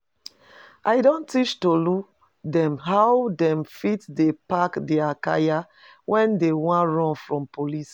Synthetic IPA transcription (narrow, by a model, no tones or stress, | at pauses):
ʔaɪdõntit͡ʃtoluk | dɛ̃mɦawdɛ̃mfitdepakdɛaka̰ja | wʔɛ̃ndewãɹɔ̃nfɹɔ̃mpolis